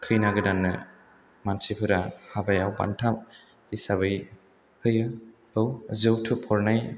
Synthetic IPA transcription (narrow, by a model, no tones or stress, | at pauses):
kʰɯjnaɡɯdanːɯ̰ | mansipʰɯɾahabajawba̰ntʰap̚ | isaβɯj | pʰɯjɯ | ɯwzɯwtʰɯpʰɔɾnaj